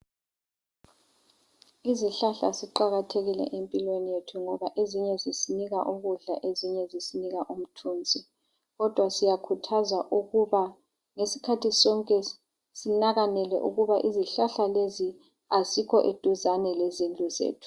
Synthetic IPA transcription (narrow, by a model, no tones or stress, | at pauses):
iziɬaɬa̰siǃaɣatʰeɣilɛ̰ʔempʼilwenijetʰuŋɔβaʔeziɲɛzisiniɣaʔuɣuɮa̰ʔeziɲɛzisiniɣaʔum̩tʰuːnd͡zʱi | ɣɔd̥ʱwasijakʰutʰazwaʔuɣuβa | ŋesi̥kʰatʰisɔŋkʼɛ | sinaɣanɛlɛ̰ʔṵɣuβaʔiziɬaɬalezi | azikʰɔʔed̥ʱuzanɛlezind͡ɮʼuzḛːtʰu̥